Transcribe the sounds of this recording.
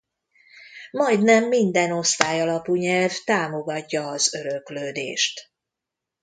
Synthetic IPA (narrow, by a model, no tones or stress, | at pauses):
mɒjd̪nɛmːind̪ɛno̞st̪aːjɒlɒpuɲɛlvt̪aːmo̞ɡɒcːɒːzø̞ɾøkløːd̪ḛːʃt̪